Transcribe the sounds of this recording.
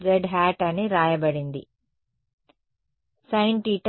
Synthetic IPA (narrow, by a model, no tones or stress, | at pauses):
ɾeɖɦæːʈɐniɾaːjɐbɐɽind̪ḭ | sɐjɳʈiːʈ